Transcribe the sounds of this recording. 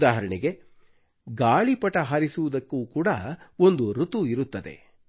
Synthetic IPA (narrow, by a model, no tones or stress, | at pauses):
d̪aːɦɐɾɐɳiɡe̞ | ɡaːɭipɐʈɐɦɐɾisuʋud̪ɐkːuːkuːɽɐo̞nd̪uɾut̪uiɾut̪ːɐd̪e̞̰